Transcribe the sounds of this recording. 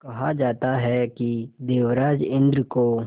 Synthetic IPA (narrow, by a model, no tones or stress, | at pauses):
kɐɦad͡ʒaːt̪aɦɛkid̪eːʋɾaːd͡ʒɪ̃nd̪ɾko